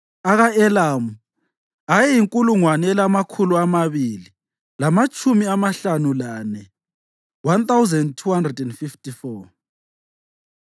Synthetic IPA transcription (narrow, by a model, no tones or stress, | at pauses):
aɣaɛlamu | ajɛjiŋkʼuluŋwanɛɛlamakʰuluamaβili | lamat͡ʃʰʼumiamaɬanulanɛ | want̪awzɛndtʰuhandrɛdɛndfiftʼifɔ